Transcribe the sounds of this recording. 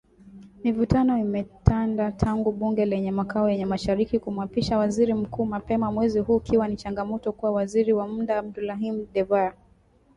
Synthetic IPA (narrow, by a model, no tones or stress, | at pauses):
mivutanɔimɛtʰandatʰaŋɡuɓuŋɡɛlɛɲɛmakaɔjɛɲɛmaʃaɾikikumuapiʃawaziɾim̩kuːmapɛmamwɛziɦuːkiwanit͡ʃaŋɡamɔtɔkuwawaziɾiwam̩daːb̚dulaɦim̩ɗɛvaa